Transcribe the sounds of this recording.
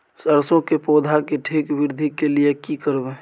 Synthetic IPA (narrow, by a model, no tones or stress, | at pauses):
səɾsõkepoːd̪ʱakeʈʰeːkʋɪɾd̪ʱikeliekikəɾbe